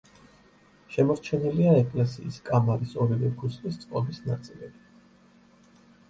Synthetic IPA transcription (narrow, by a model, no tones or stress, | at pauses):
ʃɛmɔɾt͡ʃʰɛniliaɛkʼlɛsḭːskʼamaɾisɔɾivɛkʰuslist̪sʼqʼɔbisnat̪sʼilɛbi